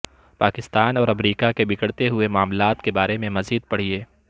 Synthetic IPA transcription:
paːkɪst̪aːnɔːɾɐmɾiːkakebɪkəɽt̪eɦʊemʊaːmlaːt̪kebaːɾemẽmɐziːd̪̚pɐɽ̤ieː

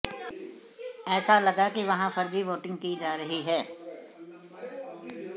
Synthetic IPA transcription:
ɛːsalɐɡakiʋɐɦãfɐɾd͡ʒiʋoːʈɪ̃ŋɡ̚kid͡ʒaːɾɐɦiɦɛː

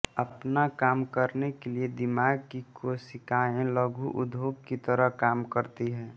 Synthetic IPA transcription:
əpnakaːmkəɾnekelied̪ɪmaːɡ̚kikosɪkaːẽləɡʱuʔʊd̪ʱoːpkit̪əɾəɦkaːmkəɾt̪iɦɛ̃ː

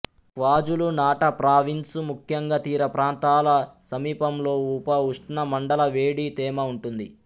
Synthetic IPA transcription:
kʋaːd͡ʒulunaːʈɐpɾaːʋinsumukʰjɐŋɡɐt̪iːɾɐpɾaːnt̪aːlɐsɐmiːpɐmlo̞ːuːpɐuʂʈnɐmɐɳɖɐlɐʋeːɽit̪ɛːmɐuɳʈund̪i

